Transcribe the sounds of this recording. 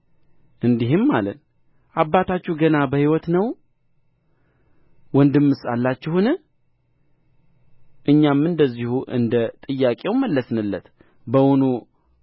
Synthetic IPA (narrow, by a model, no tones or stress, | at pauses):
ʔɨnd̪iɦɪmːalən | ʔabːat̪ʰat͡ʃːuhɡənabəhiwɔt̪nəw | wɔnd̪ɨmːɨsalːat͡ʃːɪhunɨ | ʔɨɲːamɨnd̪əzːihuʔɨ̰nd̪ət̪ʼɨjːakʼe̞wməlːəsnɨlːət̪ | bəwɔnu